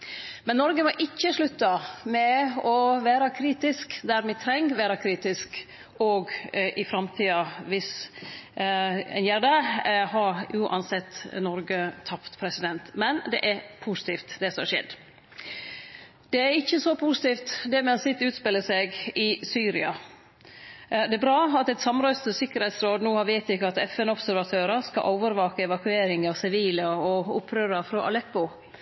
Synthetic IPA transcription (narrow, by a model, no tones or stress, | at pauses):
mɛnːɔɾɡəmɔʔɪçːəʂlʉt̪ːɑmɛɔʋæːɾɑkʰɾiːt̪ɪskd̪æɾmɛt̪ʰɾɛŋːʋæːɾɑkʰɾiːt̪ɪsk | ɔɡʔɪfɾɑmt̪ʰiːɑʋɪs | ɛ̰njæːɖəhɑɾʔʉːʔɑ̰nsɛt̪ːnɔɾɡət̪ʰːɑpt̪pʰɾɛsɪd̪ɛnt̪mɛnd̪ɛ̰ʔæɾpʰusɪ̥t̪ʰiːft̪d̪ɛsɔmhɑʂɛ̰ːd̪ | d̪̥ɛæɾɪçːəsɔpʰusɪ̥t̪iːft̪d̪ɛmɛsɪt̪ːʉːt̪spɪlːəsɛɡɪsyːɾɪɑ | d̪ɛæbɾɑːɑt̪ɛt̪sɑmɾoʏst̪ʰəsɪkːəɾhɛt̪sɾoːd̪nuːhɑɾʋɛɪt̪ɪkːəɑt̪ɛfɛnɔbsæɾʋɑt̪ʰøːɾəskɑ̰ʔoːʋəɾʋɑːkəɛʋɑkʉeːɾɪŋɑʋsɪʋiːləɔʊpʰːɾøːɾɑfɾɔʔɑ̰lɛpːʊ